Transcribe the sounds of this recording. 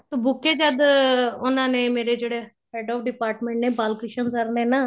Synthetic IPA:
t̪obʊkːeːd͡ʒəd̪ʊnãːnẽːmeːɾeːd͡ʒeːɽeː | pɛːɖɔːpɖɪpaːɾʈmẽːɳʈnẽːbaːlkɪʃənsəɾnẽːnaː

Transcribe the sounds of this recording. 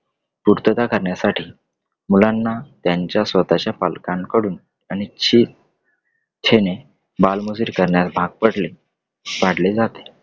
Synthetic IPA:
puɾt̪ət̪akəɾɳjasaʈʰiː | mulanːat̪jaɲt͡ɕjasʋət̪at͡ɕjapa̰lkãŋkəɽuːn | añit͡ɕʰiː | t͡ɕʰene | balmud͡ziːɾkəɾɳjasbʱaɡ̚pəɽle | ʋaɽled͡zat̪e̥

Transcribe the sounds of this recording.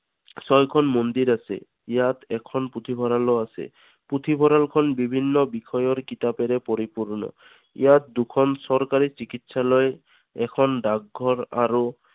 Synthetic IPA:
sɔjkʰɔnmond̪iɾasɛ̰ | ijat̪ɛkʰɔnput̪ʰibʱɔɾaloasɛ̰ | put̪ʰibʱɔɾalkʰɔnbibʱinːɔbixʰɔjɔɹkit̪apeɾɛpoɾipuɹnɔ̰ | ḭjat̪̚d̪ukʰɔnsɔɾkaɾisikitsalɔj | ɛ̰kʰɔnɖaɡ̚ɡʱɔɹa̰ɾu

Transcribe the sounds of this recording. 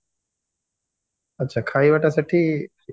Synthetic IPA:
ɐtːɕʰaːkʰaːiʋaʈaseʈʰi

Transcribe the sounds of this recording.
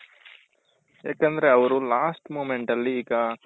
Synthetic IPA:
jaːkɐnd̪ɐɾe̞ɐʋɐɾulaːsʈmoːmeɳʈɐlːiːɡɐ

